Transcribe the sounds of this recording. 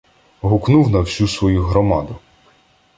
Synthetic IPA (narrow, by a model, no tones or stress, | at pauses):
ɦʊknuwnɐwsʲusʋɔjuɦɾɔmɑd̪ʊ